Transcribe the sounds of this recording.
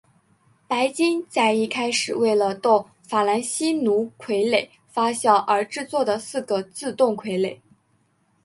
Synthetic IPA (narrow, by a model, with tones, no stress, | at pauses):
pa˧˥ɪt͡ɕi˥ŋt͡sa˥˧ɪi˥˩kʰa˥ɪʂɻ̩˨˩we˥˩ɪlə˩t̪ʊ˥˩ŋ | fa˨˩la˧˥nɕi˥nu˧˥kʰwe˧˥ɪle˨˩˦ɪ | fa˥ɕjɑ˥˩ʊʔə˞˧˥ʈ͡ʂɻ̩˥˧t͡swɔ˥˩d̪ə˩sɹ̩˥˩ɡə˨t͡sɹ̩˥˧t̪ʊ˥˩ŋkʰwe˧˥ɪle˨˩˦ɪ